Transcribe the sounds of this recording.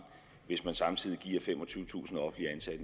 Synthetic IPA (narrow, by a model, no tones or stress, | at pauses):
ʋe̝smænsɑ̈mt͡sʰið̞̰ˠiɡ̥ḭːɐfemɒ̽t͡sʰyṵʊt͡sʰṵːsn̩ɒ̽fn̩liænsæd̥ə